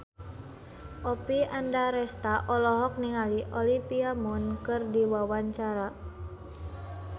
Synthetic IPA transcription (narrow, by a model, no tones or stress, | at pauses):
ʔɔpiandaɾɛst̪aʔɔlɔɦɔk̚niŋaliʔɔlipiamunkɨrdiwawaɲt͡ʃaɾa